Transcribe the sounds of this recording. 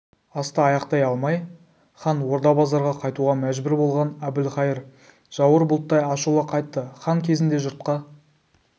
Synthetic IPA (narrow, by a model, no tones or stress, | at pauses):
ɑst̪ɑːjɑqt̪ɑjɑlˠmɑj | χɑnwo̞ɾd̪ɑbɑzɑɾʁɑqʰɑjt̪uʁɑmæʒbʏɾbo̞lˠʁɑnæbɪlχɑjɪɾ | ʒ̥ɑwəɾbʊlˠt̪ːɑjɑʃulˠəqʰɑjt̪ːəχɑŋkʲʰe̞zɪnd̪e̞ʒʊɾt̪̚qɑ